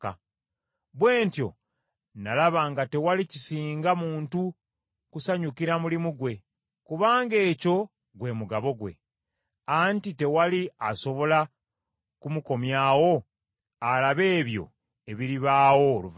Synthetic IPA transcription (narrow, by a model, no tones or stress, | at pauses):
ka | βwe̞ːntjo̞ | nalaβaːŋɡate̞walicisiːŋɡamuːntu | kusaɲukiɾamulimuɡwe̞ | kuβaːŋɡe̞ːco̞ | ɡwe̞muɡaβo̞ɡwe̞̰ | antite̞waliaso̞βo̞la | kumuko̞mjaːwo̞ | alaβe̞ːβjo̞̰ | e̞βiɾiβaːwo̞luv